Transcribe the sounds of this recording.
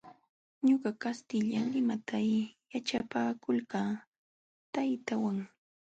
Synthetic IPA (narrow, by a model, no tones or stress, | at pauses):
ɲoɢɑkast̪ɪʎaŋlɪmat̪ajjaʈ͡ʂapaːkʊlɢaː | t̪ajt̪awaŋ